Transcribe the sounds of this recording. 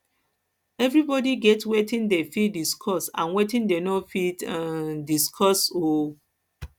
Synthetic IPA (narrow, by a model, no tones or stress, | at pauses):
ɛvɹibɔdiɡɛtwetĩndefidiskʰɔsã̰nwetĩndenɔfitadiskʰɔso